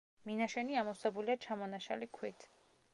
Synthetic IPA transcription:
minaʃɛniamɔsɛbuliat͡ʃʰamɔnaʃa̰likʰwit̪ʰ

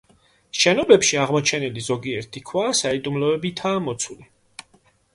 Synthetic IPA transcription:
ʃɛnɔbɛpʃiaʁmɔt͡ʃʰɛnilizɔɡiɛɾt̪ʰikʰwaːsaid̪umlɔɛbit̪ʰaːmɔt̪sʰuli

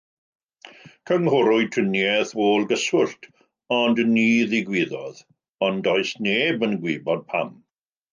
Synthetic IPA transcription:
kʰəŋhʊɾʊɨtʰənjɛðvoːlˠɡəswʊɬtʰ | ɔndniːðɪɡwɪðɔð | ɔndɔɨsneːbənɡwiːbɔd̥̚pʰa̰m

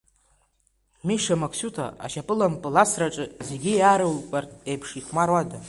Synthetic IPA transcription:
miʂamakʰsutʰa̰ʔa̰ʃapʼɨlampʼɨlasraʈ͡ʂʼɨzeɡʲijaɾɨwlpʼartʼejpʰʂiχmarwada

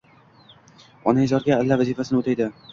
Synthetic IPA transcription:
ɒnajzɒɾɡʲaːlːavazifasɪnɪot̪ʰajd̪ɪ

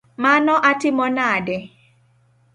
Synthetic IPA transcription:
manɔʔatɪmɔnadɛ

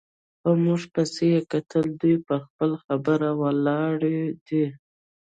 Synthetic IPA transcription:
xəmuʐpəsejekat̪əld̪ujpəxpəlxabəɾawəlɑɽed̪i

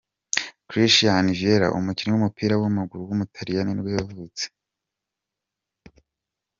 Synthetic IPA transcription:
kɾiʃjanivjeɾa̰ʔṵmucinewumupiːɾawamuɡuɾuwumutʰaɾijaniniweβavuit͡se̥

